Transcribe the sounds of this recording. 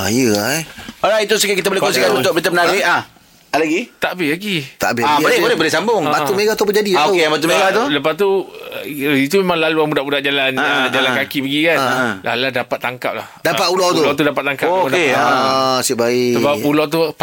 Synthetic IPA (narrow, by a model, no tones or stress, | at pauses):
ajəajoɾajt̪̬usəkɪkit̪̬əbolehkonsikanũnt̪ʊk̚bit̪̬amənaɾɪa | alaɡit̪aʔbɪlaɡit̪a̰ʔbɪabolɛbolɛbolɛsambʊŋbaumẽɡaht̪upəd͡ʒadiokeabat̪̬umeɡat̪uləpast̪u | it̪̬umemãŋlaluamudaʔbudaʔd͡ʒalanəd͡ʒalankakipəɡikanla̰lulahdapat̪ːaŋka̰p̚lahdapat̪ulawt̪ulat̪udapat̪ːaŋkapːukdae | siʔbaisəbap̚ulat̪̬u